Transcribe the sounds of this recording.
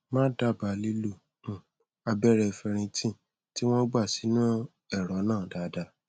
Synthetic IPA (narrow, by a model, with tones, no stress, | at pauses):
mãː˦da˦˨ba˨˦li˦lu˨ | ũ˨ | a˧bɛ˦ɾɛ˧fɛ˧ɾ̃ĩ˧tĩ˦˨ | ti˦w̃ɔ̃˦ɡ͡ba˦˨si˨˦nũ˦ | ɛ˦˨ɾɔ˨˦nãː˦˨da˨˦da˧˦